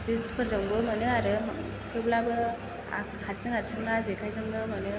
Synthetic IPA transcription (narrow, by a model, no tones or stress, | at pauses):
zespʰɯɾzaŋbɯmanɯaɾɯ | tʰewblabɯ | a̰ | haɾsɯŋaɾsɯŋnazekʰajtʰɯŋnɯmanɯ